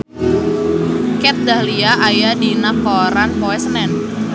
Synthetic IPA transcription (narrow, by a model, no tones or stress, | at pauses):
kɛt̪̚dahliaʔajadinapɔɾanpɔɛsənɛn